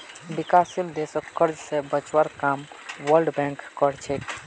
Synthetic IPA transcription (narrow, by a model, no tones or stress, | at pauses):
bikasild̪esəkːəɾd͡ʒsebət͡ʃwəɾkam | wəɾɖbɛ̃ŋkːɔɾt͡ʃʰek